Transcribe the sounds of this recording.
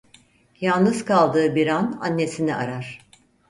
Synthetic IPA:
jalˠnɯzkʰalˠd̪ɯːbiɾana̰nːe̞siniʔa̰ɾaɾ̥

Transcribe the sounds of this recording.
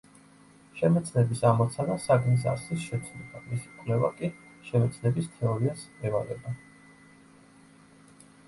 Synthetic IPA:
ʃɛmɛt̪sʰnɛbisamɔt̪sʰanasaɡnis̬a̰sisʃɛt̪sʰlɛbamisi̥kʼvlɛva̰kʼi | ʃɛmɛt̪sʰnɛbist̪ʰɛɔɾiasɛvaɾɛ̰ba

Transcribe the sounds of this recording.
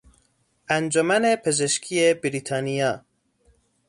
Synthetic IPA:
ænd͡ʒomænepʰezeʃkʰiebiɾit̪ʰɑːnijɒː

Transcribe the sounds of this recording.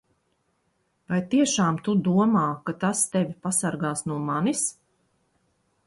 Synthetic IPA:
vajt̪iɛʃaːmt̪ud̪uɔmaːkat̪ast̪ɛvʲipasaɾɡaːsnuɔmanis

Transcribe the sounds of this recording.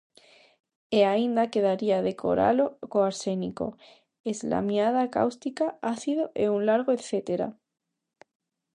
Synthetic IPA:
eaind̪ake̞ð̞aɾiaðe̞kʰo̞̰ɾa̰lo̞koaɾse̞niko̞̰ | ezla̰mjað̞aka̰wst̪ikaaθiðoʔeunlaɾɣ̞oeθe̞t̪eɾa̰

